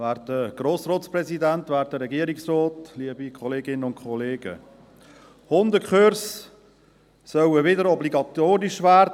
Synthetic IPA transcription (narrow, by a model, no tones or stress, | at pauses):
væːɾtdəɡ̥ɾoːsrɔːtsprɛzidænt̪væːɾt̚dəɾɛɡiəɾiksɾɔːt̪liəbikʰɔleːɡɪnːənʊnkʰɔleːɡ̥ə̰ | hʊnd̪əkχøɾs | sœwəʋɪdəɾɔbliɡɑt̪oːɾɪʃvæːɾd